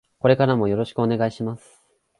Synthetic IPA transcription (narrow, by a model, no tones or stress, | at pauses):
ko̞ɾe̞kaɾamo̞jo̞ɾo̞ɕi̥kɯo̞ne̞ɡaiɕimasɨ̥